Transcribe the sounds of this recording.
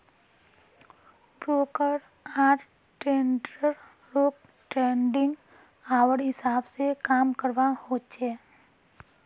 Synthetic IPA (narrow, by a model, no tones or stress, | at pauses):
bɾoːkəɾ | aːɾ | ʈẽːɳɖɾəɾ | ɾoːk | ʈɾẽːɳɖɪ̃ŋɡ | aːwəɾɦɪsaːbsekaːmkəɾʋahoːt͡ʃeː